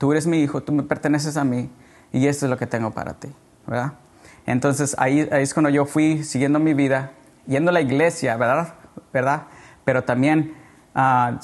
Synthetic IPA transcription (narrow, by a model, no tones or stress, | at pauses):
t̪ue̞ɾezmiixo̞t̪ume̞pe̞ɾt̪e̞ne̞s̬e̞s̬ami | ie̞st̪oezlo̞ke̞t̪e̞ŋɡo̞pa̰ɾa̰t̪i | be̞ɾða | ḛnt̪o̞nsesa̰iaieskwand̪oʝo̞fwisiɣje̞nd̪o̞miβiða | ʝe̞nd̪olaiɣle̞sjaβeɾðaðbeɾðaðpe̞ɾo̞t̪ambje̞n | a